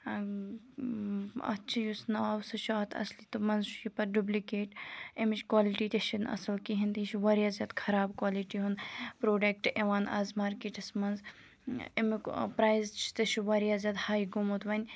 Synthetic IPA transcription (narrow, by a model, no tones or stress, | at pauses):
ɐ̰t͡ʃʰijusnɐaːwsɐʃaːt̪ʰɐ̰slit̪umɐnzʃipɐɾɖublikeːʈemit͡ʃʰkwaːliʈit̪ʲeʃinɐ̰sɐlkiɦint̪iit͡ʃʰiʋɐɾijaːzʲjaːd̪kʰɐɾaːbkwaːliʈiɦunpɾoːɖek̚ʈeʋaːnʔa̰ːzmaːɾkeːʈɐsmɐnz | empɾaːjzt͡ʃʰi̥t̪eʃiʋɐɾjaːzʲjaːd̪haːjɡumot̪ʋɐnʲ